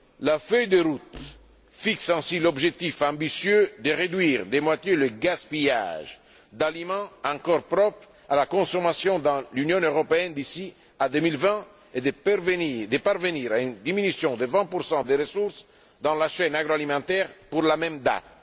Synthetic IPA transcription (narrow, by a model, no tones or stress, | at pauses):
lafœjd̪eɾut̪ | fiksɛ̃silɔbʒek̚t̪ifɑ̃mbisjød̪əʁed̪ɥiːʁd̪emwat̪jeləɡaspija̰ʒ | d̪alimɑ̃ɑ̃ŋkɔɾpɾɔpɾ | alakɔ̃somasjɔ̃d̪ɑ̃lynjɔ̃øʁɔpeɛnd̪isi | ad̪ømilvɛ̃ | ed̪evd̪epaɾveniɾaynd̪iminysjɔ̃d̪evɛ̃puɾsɑ̃d̪eɾesuɾs | d̪ɑ̃laʃɛnaɡɾoalimɑ̃t̪ɛʁpuɾlamɛmd̪a̰t̪̚